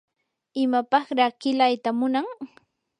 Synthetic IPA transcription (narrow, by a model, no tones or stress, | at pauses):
ɪmapɑχɾɑkɪlajt̪amʊnaŋ